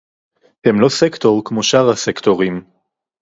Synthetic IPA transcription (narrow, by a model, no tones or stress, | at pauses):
hemlo̞sekt̪o̞ʁkmoʃaʁasekt̪oʁim